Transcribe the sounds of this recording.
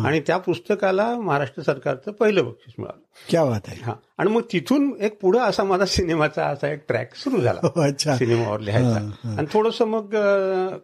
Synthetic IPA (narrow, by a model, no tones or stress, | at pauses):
a̰ɽ̃it̪japust̪əkalaməɦaɾaʂʈɾəsəɾkaɾt͡səpəɦiləbəkʂiːt͡sm̤ḭɭa̰ləkjaʋat̪aeɦã̰ | aɽ̃iməɡ̚t̪it̪ʰuːnek̚puɽ̤əəsamad͡zʱasinemat͡sa̰əsaek̚ʈɾɛ̰ksuɾuːd͡zʱa̰la̰ɕʰasinema̰ʋəɾleɦa̰jt͡sã̰anit̪ʰoɽosəməɡ